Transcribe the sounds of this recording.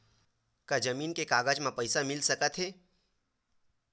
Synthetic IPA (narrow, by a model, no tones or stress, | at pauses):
kad͡ʒəmiːnkekaːɡad͡ʒmãpəɪsamɪlsəkət̪ɦeː